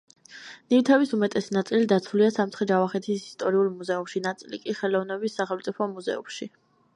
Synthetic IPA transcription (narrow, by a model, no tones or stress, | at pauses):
nivt̪ʰɛvisumɛt̪ʼɛsinat̪sʼilid̪at̪sʰuliasamt̪χɛd͡ʒavaχɛt̪ʰisist̪ʼɔɾiulˠmuzɛumʃinat̪sʼilikʼiχɛlɔvnɛbisːaχɛlmt̪sʼipʰɔmuzɛ̰ṵmʃi